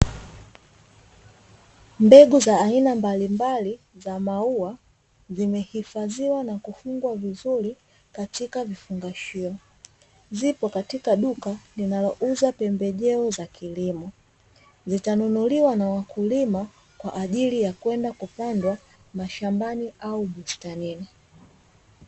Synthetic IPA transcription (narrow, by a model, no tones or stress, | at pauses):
mbɛɡuzaːinambalimbali | zamaua | zimɛhifaziwanakufuŋɡwavizuɾi | katikavifuŋɡaʃiɔ | zipɔkatikaɗukalinalɔʔuzapɛmbɛʄɛɔzakʰilimɔ | zitanunuliwanawakulima | kwaʔːʄilijakwɛndakupandwa | maʃambaniaumustanini